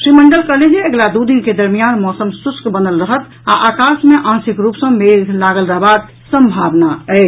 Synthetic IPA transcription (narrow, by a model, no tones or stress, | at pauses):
sɾiməɳɖəlkəɦled͡ʒeəɡlad̪ud̪inked̪əɾmijanmɔsəmsuskbənəlɾəɦət̪ | a̰ʔakasmeʔãnsikɾupsə̃meɡʱlaɡəlɾəɦbad̪̚ | sə̃mbʱabnaɛ